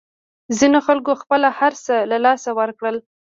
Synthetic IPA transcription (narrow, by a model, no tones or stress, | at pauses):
zinoxalɡoxpəlahaɾsəlalɑsawəɾkɽəl